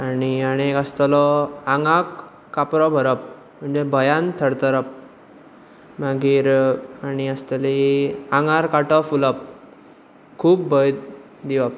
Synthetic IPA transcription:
aniaɽ̃iekəst̪əlɔaŋakː | apɾɔbʱəɾəp̚ | m̤əɳd͡zebʱəjant̪ʰəɽt̪əɾəp̚ | maɡiːɾaniəst̪aliãŋɡaɾkaʈɔfuləp̚ | kʰuːpbəj̪ | d̪iʋəp̚

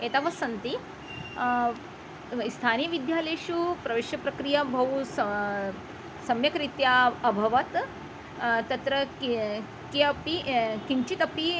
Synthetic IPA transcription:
et̪aʋɐsɐnt̪i | st̪ʰaːnijɐʋid̪jaːleʃupɾɐʋeːʃjɐpɾɐkɾijabʱɐʋusɐ | sɐmjɐkɾit̪jaɐbʱɐʋɐt̪ | t̪ɐt̪ɾɐ | kiɐpikiɲt͡ʃit̪ɐpi

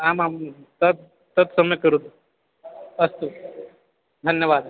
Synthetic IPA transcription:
amamt̪ət̪̚ | t̪ət̪səməjkəɾut̪ | əst̪u | d̪ʱənjəʋaːd̪

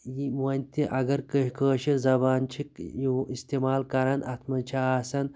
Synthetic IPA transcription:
jimɐnʲt̪ʰiʔɐɡɐɾkəɦkəːʃizɐbaːnt͡ʃʰikjuist̪emaːlkɐɾɐnɐt̪ʰmɐt͡ʃʰaːsɐn

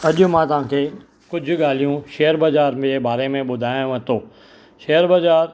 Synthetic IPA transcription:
ɐʄʊmãt̪ɐʋ̤ãːkʰeː | kʊd͡ʑʱʊ̆ɠaːl̤ijũʃeːəɾbɐzaːɾmd͡ʑeːbaːɾemẽɓʊd̪ʱaːjõʋɐt̪oː | ʃeːəɾbɐzaːɾ

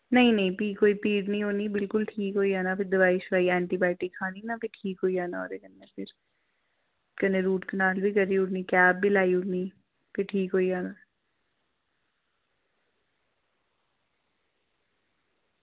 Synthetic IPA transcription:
nɐɦĩnɐɦĩpiːkɦoːipiːʈnĩɦoːnibɪlkʊlʈʰiːkɦoːiɦaːnapʰɪɾd̪ɪʋaːiʃʊɾaːiɛ̃ːɳʈibaːɪʈikʰːaːninapʰɪʈʰiːkɦoːiaːnaɔ̰ɾekɐnːepʰɪɾ | kɐneɾuːʈkɐnaːlbʱikɐɾːiʊʈnikɛːb̚bʱilaːiʊni | pʰɪɾʈʰiːkɦoːiaːnaː

